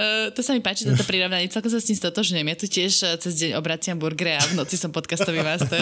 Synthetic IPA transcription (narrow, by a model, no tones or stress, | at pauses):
t̪ɔsamipaːt͡ʃit̪ɔt̪ɔpɾiɾɔʋnaɲɛt͡sɛlkɔmsasɲiːmst̪ɔt̪ɔʒɲujɛmjat̪ucɪɛʃt͡sɛzɟɛɲɔbɾat͡siambuɾɡɾɛavnɔt͡sisɔmpɔt̪kast̪ɔʋimast̪ɛɾ